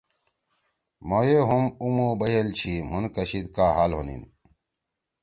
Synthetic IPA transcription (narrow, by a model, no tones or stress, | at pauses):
mojeɦumumubɐjɐlt͡ɕʰimunkɐɕid̪kaːɦaːlɦo̰nḭn